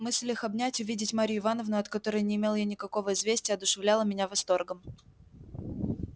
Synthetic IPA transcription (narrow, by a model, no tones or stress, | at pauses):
mɨsʲlʲɪxɐbnʲætʲʊvʲidʲɪtʲmaɾʲɪjʊɪvanəvnʊɐt̪kɐt̪o̞ɾəjnʲɪːmʲe̞lˠjanʲɪkɐko̞vəɪzvʲesʲtʲɪjəɐd̪ʊʂɨvlʲalˠəmʲɪnʲavɐst̪o̞rɡəm